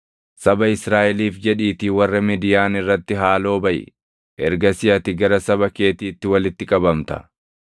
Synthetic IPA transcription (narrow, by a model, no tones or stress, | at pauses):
sɐbɐɪsɾaːʔɛliːfd͡ʒɛᶑiːt̪iːwɐrːɐmɪd̪ɪjaːnɪrːɐt̪ːɪɦaːlo̞ːbɐʔɪ̰ | ʔɛɾɡɐsɪjɐt̪ɪɡɐɾɐsɐbɐke̞ːt̪iːt̪ːɪwɐlɪt̪ːɪkʼɐbɐmt̪ɐ̥̰